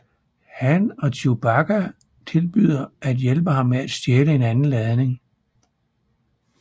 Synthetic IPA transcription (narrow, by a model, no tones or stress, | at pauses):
hænɒ̽t͡sʰub̥ɑɡ̥æ | t͡sʰe̝lb̥y̰ð̞̰ˠɐʔæd̥jelb̥əɦɑ̈mːeæd̥sd̥jeːləe̝nænn̩læð̞ˠne̝ŋ